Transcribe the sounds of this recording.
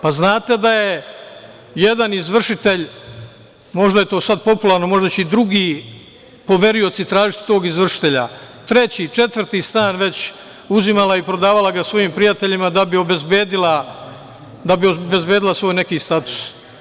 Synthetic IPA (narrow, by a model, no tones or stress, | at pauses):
paznaːt̪e̞d̪aje̞ | jed̪anizʋr̩ʂit̪e̞ʎ | mo̞ʒd̪aje̞t̪o̞ːsad̪̚po̞pulˠaɾno̞mo̞ʒd̪at͡ɕeid̪ɾuɡiː | po̞ʋe̞ɾio̞t̪sit̪ɾaːʒit̪t̪o̞ːɡizʋr̩ʃi̥t̪e̞ʎa̰t̪ɾe̞t͡ɕiːt͡ʃe̞t̪ʋr̩ɾt̪iːst̪aːnʋe̞t͡ɕ | uzimalˠaipɾo̞d̪aːʋalˠaɡasʋo̞jiːmpɾijat̪e̞ʎimad̪abio̞bezbeːd̪ila | d̪abiobe̞zbjeːd̪ilˠasʋo̞ːjne̞kiːst̪at̪u̥s